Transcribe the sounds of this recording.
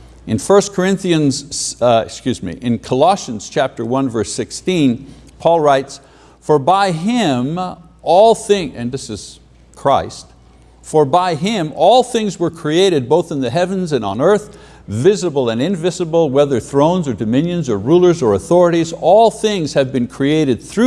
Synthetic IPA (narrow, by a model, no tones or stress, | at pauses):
ɨ̃nfɜ˞skʰə˞ɪ̃nθiɨ̃nz̥ɪ̰kskjʉzmḭʔɨ̃nkʰəlɑʃɨ̃nz̥t͡ʃʰæp̚tə˞wʌ̃nvɜ˞sɪkstĩnpʰɔlˠɹaɪts | fə˞baɪɪ̃m | ʔɔlˠθɪ̃ŋɨ̃nðɪsɨz̥ | kʰɹ̥aɪst | fə˞baɪɪ̃mɔlˠθɪ̃ŋzwə˞kʰɹ̥ieɪɾɨd̚boʊθə̃n̩ðɨɦɛvɨ̃nzɨ̃ñn̩ɜ˞θ | vɪzəbl̩ˠə̃nɨ̃ɱvɪzəbl̩ˠwɛðə˞θɹõʊ̃nzə˞dɨmɪ̃njɨ̃nzə˞ɹulˠə˞zə˞ɨθɔɹɨɾizɔlˠθɪ̃ŋz̥ɨvbɨ̃nkʰɹ̥ieɪɾɨd̪̥̚θɹʉ